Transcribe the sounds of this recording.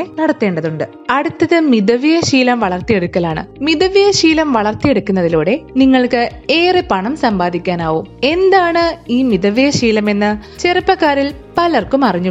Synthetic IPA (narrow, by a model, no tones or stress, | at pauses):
enɐɽɐt̪ːe̞ːɳɖɐðuɳɖɨ | ɐɽut̪ːɐðɨmid̪ɐʋijɐɕiːlɐmʋɐɭɐrt̪ije̞ɽukːɐlaːɳɨ̰miðɐʋijɐɕiːlɐmʋɐɭɐrt̪ije̞ɽukːunːɐðiloːɽe̞niŋːɐɭkɨe̞ːrepɐɳɐmsɐmbaːd̪ʱikʲːaːnaːʋuːme̞nd̪aːɳɨiːmiðɐʋijɐɕiːlɐme̞nːɨt͡ɕe̞rɨpːɐkːaːɾilpɐlɐrkumɐriɲːu